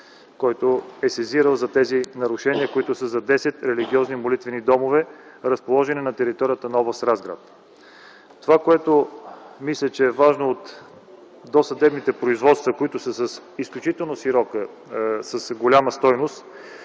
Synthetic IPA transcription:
kɔjt̪oɛsɛziɾəlˠzɐt̪ɛzinɐɾʊʃɛniəkoit̪ʊsəzɐd̪ɛsɛt̪ɾɛliɡiɔznimolit̪vɛnid̪ɔmovɛɾəspolˠɔʒɛninɐt̪ɛɾit̪ɔɾʲijət̪ənɐɔvəsɾazɡɾa̰t̪ | t̪ovakoɛt̪omislʲət͡ʃɛːvaʒnoːt̪ | d̪osɐd̪ɛbnit̪ɛpɾoizvɔt̪st̪vəkoit̪ʊsəsəs | isklʲut͡ʃit̪ɛlˠnoʃiɾɔkə | səsɡolʲaməst̪ɔjnost̪

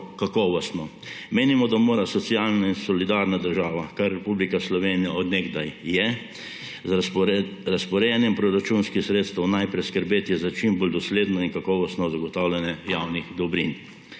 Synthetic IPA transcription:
kakɔʋɔst̪nɔmeːnimɔd̪amoːɾasɔt̪sijalnainsɔlid̪aːɾnad̪əɾʒaːʋakaɾːɛpublikaslɔʋeːnijaɔd̪nɛɡd̪ajːɛ | z | ɾaspɔɾɛjɛnjɛmpɾɔɾat͡ʃunskixsɾeːt̪st̪ɛwnajpɾɛskəɾbeːt̪ɛzat͡ʃimboːld̪ɔsleːd̪nɔinkakɔʋɔst̪nɔzaɡɔt̪aːwljɛnjɛjawnixd̪ɔbɾin

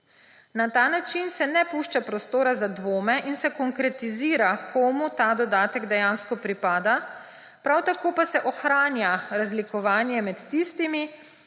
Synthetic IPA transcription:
nat̪aːnat͡ʃinsɛnɛpuʃt͡ʃapɾɔst̪oːɾazad̪ʋoːmɛʔinsɛkɔŋkɾɛt̪iziːɾakʰomut̪aːd̪ɔd̪aːt̪ɛɡd̪ɛjaːnskɔpɾipaːd̪a | pɾawt̪akoːpasɛʔɔxɾaːnjaɾazlikɔʋaːnjɛmɛt̪ːist̪imi

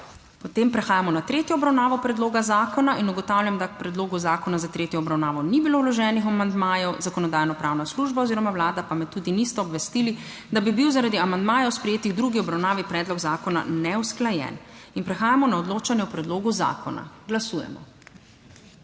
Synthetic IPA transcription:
pɔt̪eːmpɾɛxaːjamɔnat̪ɾeːt̪jɔɔbɾawnaːʋɔpɾɛd̪loːɡazaːkɔnaʔinuɡɔt̪aːwlʲjamd̪ak̚pɾɛd̪loːɡuzaːkɔnazat̪ɾeːt̪jɔːbɾawnaːʋɔnibilowlɔʒɛːnixɔmand̪maːjɔwzakɔnɔd̪aːjnɔpɾaːwnasluʒbaɔziːɾɔmawlaːd̪apamɛt̪uːd̪inist̪ɛɔbʋɛst̪iːli | d̪abibiwzaɾad̪iamand̪maːjɛwspɾɛjeːt̪iɣd̪ɾuɡiɔbɾawnaːʋipɾɛːd̪lɔɡzaːkɔna̰nɛwsklajɛ̰ninpɾɛxaːjamɔnaɔd̪loːt͡ʃanjɛupɾɛd̪loːɡuza̰ːkɔna̰ɡlasujɛ̰mɔ̰

